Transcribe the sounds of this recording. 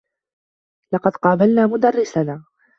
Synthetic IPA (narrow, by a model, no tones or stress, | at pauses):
lɑqɑd̪qɑːbalnaːmʊd̪arˤːɪsanː